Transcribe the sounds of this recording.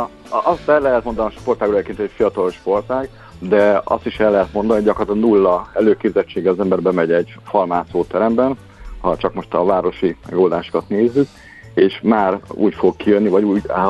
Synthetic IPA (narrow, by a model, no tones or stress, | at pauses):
ʔɒst̪ɛlːɛɦɛt̪mo̞nd̪ɒnʃpo̞rt̪aːɡekent̪ɛcfijɒt̪ɒloʃpo̞rt̪aːɡ | d̪ɛɒ̰st̪iʃɛlːɛɦɛt̪mo̞nd̪ɒnihoɟɒkrort̪ɒnulːɒɛløːkeːbzɛt͡ʃːeːɡɛɒzɛmbɛrbɛmɛɟɛɟfɒlmaːt̪soːt̪ɛɾɛmbɛn | hɒt͡ʃɒkmo̞ʃt̪ɒvaːɾo̞ʃimɛ̰ɡoːld̪aːʃo̥kɒt̪neːzːyk | eːʃmaːɾṵːcfo̞ɡkijønːivɒɟuːɟa̰